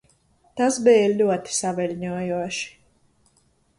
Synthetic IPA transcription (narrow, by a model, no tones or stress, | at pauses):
t̪asbɛːlʲlʲuɔt̪i̥savɛlʲɲuɔjuɔʃi̥